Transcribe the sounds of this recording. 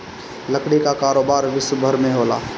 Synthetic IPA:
lɐkɽ̃ikakaːɾoːbaːɾʋɪswəbʱəɾmẽɦoːla̰ː

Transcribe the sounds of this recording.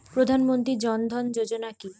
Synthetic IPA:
pɾod̪ʱanmont̪ɾid͡ʑɔnd̪ʱɔnd͡ʑod͡ʑonaki

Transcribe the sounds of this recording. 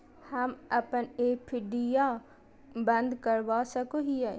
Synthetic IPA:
həməpəneːpʰɪɖijaː | bə̃nd̪kəɾʋaːsəkoːɦiɛː

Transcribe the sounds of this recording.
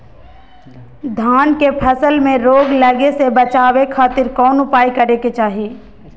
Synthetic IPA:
d̪ʱaːnkepʰɐsəlmẽɾoːɡlɐɡesebət͡ʃaːwekʰaːt̪ɪɾkɔːnʊpaːikɐɾeket͡ʃaːɦii

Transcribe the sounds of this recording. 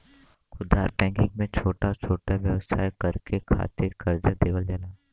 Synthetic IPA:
kʰʊd̪aːɾpɛ̃ːŋkɪ̃ŋɡmẽt͡ʃʰoːʈat͡ʃʰoːʈaʋjɐʋsʰa̰ːjkɐɾkekʰa̰ːt̪ɪɾkɐɾd͡ʒad̪eːʋəld͡ʒaːlaː

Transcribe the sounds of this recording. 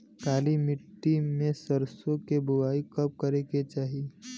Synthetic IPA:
kaːlimɪʈːimẽsəɾsõkebʊʋaːikɐp̚kəɾeket͡ʃaːɦi

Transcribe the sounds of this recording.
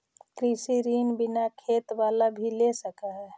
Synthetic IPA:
kɾisiɾinbinakʰet̪balabʱilesəkaɦɛ

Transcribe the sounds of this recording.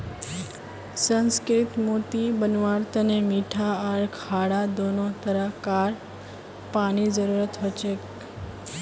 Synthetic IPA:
sənskɾit̪mot̪ibənʋaɾt̪ənemiʈʰaəɭkʰaɽad̪onot̪əɾakaɾ | paɽ̃id͡ʒəɾuɾət̪ɦot͡ʃek

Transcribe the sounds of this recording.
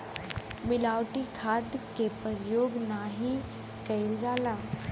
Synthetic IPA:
mɪlaːwʈikʰaːd̪kepɐɾjoːɡnaːɦĩ | kɐɪld͡ʒaːlaː

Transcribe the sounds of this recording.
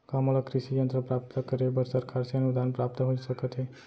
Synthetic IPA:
kamolɔkɾisijənt̪ɾəpɾap̚t̪əkəɾebəɾsəɾkʰaɾseənud̪anpɾap̚t̪ɦoisəkət̪ɦe

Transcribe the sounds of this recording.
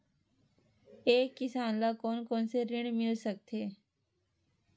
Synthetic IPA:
eːkːɪsaːnlakoːnkoːnseɾɪɽ̃mɪlsək̚t̪ʰeː

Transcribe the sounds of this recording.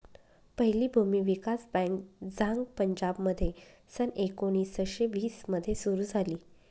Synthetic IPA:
pəɦiliːbʱumiːʋikasbɛ̃ŋkd͡zãŋɡpəɲd͡ʑabməd̪ʱːje | sənekoɽ̃iːsəɕeʋiːsməd̪ʱːjesuɾuːd͡zʱaliː

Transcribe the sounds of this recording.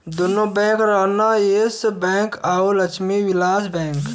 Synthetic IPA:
d̪ʊnõbɛ̃ːŋkɾaːnaeːsbɛ̃ːŋkaːolɐt͡ʃʰmiwɪlaːsbɛ̃ːŋk

